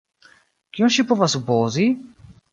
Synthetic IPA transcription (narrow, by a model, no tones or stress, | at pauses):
kioʃipovasupɔːzi